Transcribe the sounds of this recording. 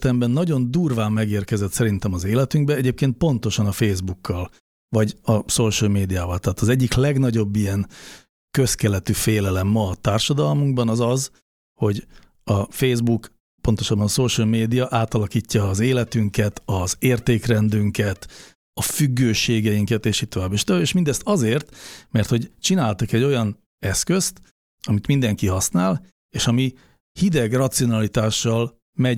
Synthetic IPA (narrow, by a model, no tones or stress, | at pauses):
t̪ɛmbɛnːɒɟo̞nd̪uːrvaːmːɛɡeːrkɛzɛt̪sɛɾint̪ɛmɒzeːlɛt̪yŋɡ̚bɛɛɟeːp̚keːnt̪̚po̞nt̪o̞ʃɒnɒfeːzbukːɒl | vɒɟɒsoːʃɔlmeːd̪ijaːvɒlt̪ɛɦaːt̪ɒzɛɟːiklɛɡnɒɟo̞bːijɛn | kø̞skɛlɛt̪yfeːlɛlɛmːɒːt̪aːrʃɒd̪ɒlmuŋɡbɒnɒzɒz | ho̞ɟ | ɒfeːzbuk | po̞nt̪o̞ʃɒd̪̚bɒnsoːʃɛlmeːd̪ijɒʔaːt̪ɒlɒkiːcːɒːzeːlɛt̪yŋkɛt̪ɒzeːrt̪eːkrɛnd̪yŋkɛt̪ | ɒfyɡːøːʃeːɡɛjiŋkɛt̪eːʃit̪ːovaːbeːʃt̪oaːbeːʃmind̪ɛst̪ɒzeːrt̪mɛrt̪ho̞ɟt͡ʃinaːlt̪ukɛɟːo̞jɒn | ɛskø̞st̪ | ɒmit̪mind̪ɛŋkiɦɒsnaːl | eːʃɒmi | hid̪ɛɡrɒt̪sio̞nɒlit̪aːʃːɒl | mɛ